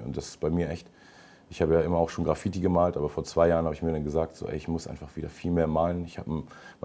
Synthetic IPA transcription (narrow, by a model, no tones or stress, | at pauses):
ʊ̰nt̚d̥asɪ̥stb̥aɪmiːɐʔɛçt | ʔɪçhaːbəjaːʔɪmɐaʊxʃoːnɡʁafitiɡəmaːltʔaːbɐfoːɐt͡sv̥aɪjaːʁənhaːbəɪçmiːɐɾanɡəzaːk̚tz̥o̰ːʔɛ̰ɪɪçmʊsʔa̰ɪnfaχv̥iːdɐfiːlmeːɐmaːlənɪçhaːbəm | m